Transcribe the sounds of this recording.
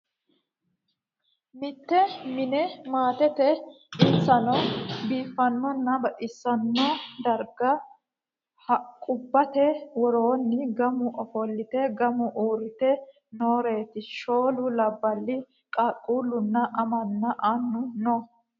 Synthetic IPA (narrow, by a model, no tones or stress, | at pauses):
mɪt̪ːɛmɪnɛmaːt̪ɛt̪ɛ | ɪt͡sːɐnɔbiːfːɐnːɔnːɐbɐʔɪsːɐnːɔd̪ɐɾɡɐ | hɐkʼʊbːɐt̪ɛwɔɾoːnːɪɡɐmʊʔɔfɔlːɪt̪ɛɡɐmʊʔoːɾɪt̪ɛ | noːɾe̞ːt̪ɪʃo̞ːlʊlɐbːɐlːɪ | kʼɐkʼːuːlːʊnːɐʔɐmɐnːɐʔanːʊnɔ